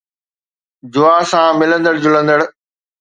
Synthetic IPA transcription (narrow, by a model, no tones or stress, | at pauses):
d͡ʑʊaːsãːmɪlə̃nd̪əɽd͡ʑʊlə̃nd̪əɽ